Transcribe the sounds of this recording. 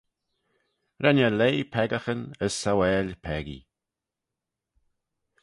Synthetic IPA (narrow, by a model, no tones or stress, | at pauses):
ɾɛnəleːpʰɛɡəxənəsːawɛːlʲpʰɛɡḭ